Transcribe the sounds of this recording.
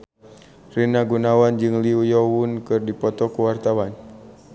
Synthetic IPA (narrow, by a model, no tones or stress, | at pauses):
rinaɡunawand͡ʒɨŋliujɔwunkɨrdipɔt̪ɔkuwart̪awan